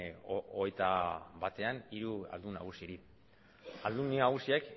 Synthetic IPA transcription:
o̰ɣe̞jt̪aβat̪e̞aniɾua̰ld̪una̰ɣ̞usiɾi | ald̪unnaɣ̞usiek

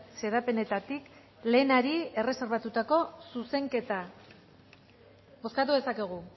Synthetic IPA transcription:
se̞ɾape̞ne̞t̪at̪ik | le̞ːnaɾie̞re̞se̞ɾβ̞at̪ut̪ako̞suse̞ŋke̞t̪a | bo̞skat̪̬uðe̞sake̞ɣ̞u

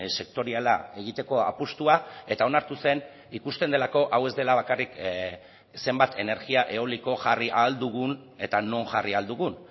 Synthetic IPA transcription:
se̞k̚t̪o̞ɾiala̰e̞ɣ̞it̪e̞ko̞a̰pust̪uae̞t̪ao̞naɾt̪use̞n | ikust̪e̞nd̪e̞lako̞ʔawe̞zd̪e̞laβ̞akarik | se̞mbat̪ʰe̞ne̞ɾɣiaʔe̞oliko̞ʝariʔald̪uɣ̞un | e̞t̪ano̞nʝariald̪uɣun

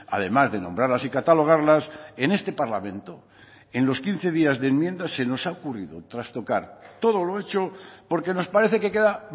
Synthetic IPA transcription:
a̰ð̞e̞mazðe̞nõ̞mbɾaɾlasikat̪alo̞ɣ̞aɾlase̞ne̞st̪e̞paɾlamẽnt̪o | enlo̞skin̟θe̞ð̞iazðemjẽ̞nd̪ase̞no̞saokuriðot̪ɾast̪o̞kaɾt̪o̞ð̞olo̞e̞t͡ʃopo̞ɾke̞no̞spaɾe̞θeke̞ke̞ða

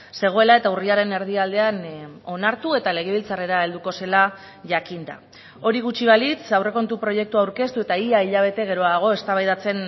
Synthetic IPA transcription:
se̞ɣ̞o̞e̞lae̞t̪auriaɾe̞ne̞ɾð̞iald̪e̞ano̞naɾt̪ue̞t̪ale̞ɣeβ̞ilt͡sare̞ɾae̞ld̪uko̞se̞la | ʝakind̪a̰ | o̞ɾiɣ̞ut͡ʃiβ̞alit͡sawre̞ko̞nt̪upɾo̞je̞k̚t̪uawɾke̞st̪ue̞t̪aiaiʎaβ̞e̞t̪e̞ɣ̞e̞ɾo̞aɣ̞o̞e̞st̪aβajðat͡se̞n

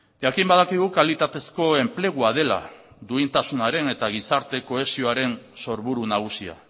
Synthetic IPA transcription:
ʝakimbað̞akiɣukalit̪at̪e̞sko̞e̞mple̞ɣ̞uað̞e̞la̰ | d̪uint̪asunaɾe̞ne̞t̪aɣ̞isaɾt̪e̞ko̞e̞sio̞aɾe̞nso̞ɾβuɾunaɣ̞usia̰

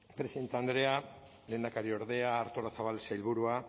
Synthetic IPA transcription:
pɾe̞siðe̞nt̪eand̪ɾe̞a | le̞ːnd̪akaɾio̞ɾðe̞aːɾt̪olasaβalsajlβuɾua

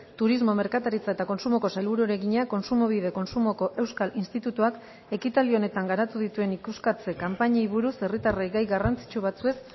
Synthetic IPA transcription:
t̪uɾizmo̞me̞ɾkat̪aɾit͡sae̞t̪ako̞nsumo̞ko̞sajlβuɾueɾe̞ɣiɲako̞nsumo̞β̞ið̞e̞ko̞nsumo̞ko̞ʔe̞wskalinst̪it̪ut̪uak | e̞kit̪ald̪io̞ne̞t̪aŋɡaɾat̪uðit̪ue̞nikuskat͡se̞kampaɲaiβuɾuse̞rit̪arajɡajɣarant͡si̥t͡ʃuβ̞at͡sue̞s

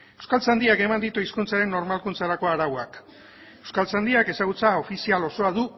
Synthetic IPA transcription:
ewskalt͡sand̪iake̞mand̪it̪uiskunt͡saɾe̞nːo̞ɾmalkunt͡saɾako̞aɾawoak | e̞wskalt͡sand̪iake̞saɣ̞ut͡sao̞fisialo̞so̞aðu

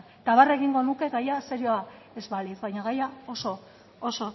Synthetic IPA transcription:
t̪aβare̞ɣiŋɡo̞nuke̞ɡajaseɾjoa | e̞zβaliθβajɲaɣajao̞so̞ | oso̞

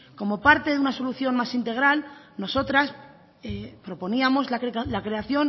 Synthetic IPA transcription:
ko̞mo̞paɾt̪e̞ðeunaso̞luθjo̞nmasint̪e̞ɣ̞ɾal | no̞so̞t̪ɾas | epɾo̞po̞niamo̞zlakelakɾe̞aθjo̞n

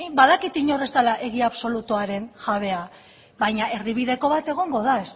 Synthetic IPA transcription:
baðakit̪iɲo̞re̞zt̪alaʔe̞ɣ̞iaβso̞lut̪uaɾe̞nʝaβe̞a | βajɲaʔe̞ɾðiβiðe̞ko̞βat̪e̞ɣ̞o̞ŋɡo̞ðaes

